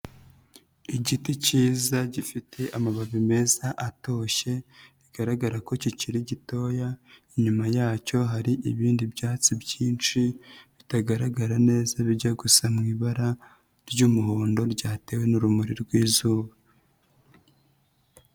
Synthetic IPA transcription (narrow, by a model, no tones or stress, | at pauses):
iɟiticiːzaɟifitʰe̞ʔamaβaβime̞zaʔato̞ːʃe̞βiɡ̥aɾaɡaɾako̞ciciɾiɟito̞jaiɲumajaːco̞ɦaɾiʔiβiːndibjaːt͡sibɟiːnt͡ʃiβitaɡaɾaɡaɾane̞ːzaβiɾɟaɡusamŋiːβaɾa | ɾɟuːmuhoːndo̞ɾɟaːte̞we̞nuɾumuɾiɾɡwiːzuːβa